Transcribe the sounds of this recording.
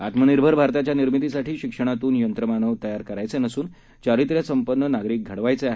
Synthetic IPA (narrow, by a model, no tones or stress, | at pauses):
at̪məniɾbʱəɾbʱaɾt̪at͡ɕjaniɾmit̪isaʈʰiːɕikʂəɽ̃at̪uːnjənt̪ɾəmanəʋt̪əjaɾkəɾajt͡senəsuːn | t͡ɕaɾit̪ɾjəsəmpənːənaɡɾiːk̚ɡʱəɽʋajt͡seaɦe